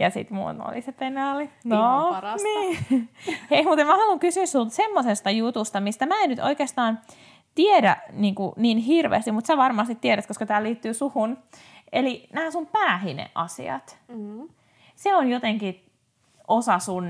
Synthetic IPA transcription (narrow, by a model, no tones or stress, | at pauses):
jɑsḭt̪mṵːno̰lisepenɑːlinoniː | hehmut̪emmæhɑluŋkysyːssult̪semːosest̪ɑjut̪ust̪ɑmist̪æmæːenyt̪o̰ikeːst̪ɑːn | t̪iedæ̰niːŋkuninɦirʋḛːst̪imut̪sæʋɑrmɑst̪it̪t̪ːieɾæt̪koskɑt̪æːliːt̪ːyːsuhun | elinæhæsumpæːhinḛʔɑ̰sḭɑ̰t̪ | seonjot̪eŋki | ʔosɑsun